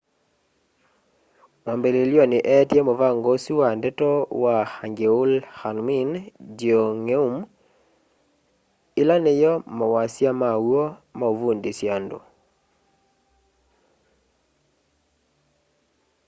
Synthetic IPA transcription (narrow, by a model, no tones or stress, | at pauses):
wambeleljonɪʔɛtjemovaŋɡosiwandɛtɔwahaŋɡeulhanmind͡ʒioŋeum | ɪlanejɔmɔwasjamawomaovundisjando̰